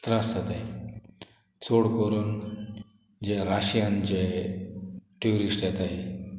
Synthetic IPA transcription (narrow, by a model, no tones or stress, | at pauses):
t̪ɾasat̪a | t͡soɽkoɾuːn | d͡ʑeɾaɕijand͡ʑe | ʈiuɾisʈɛt̪ai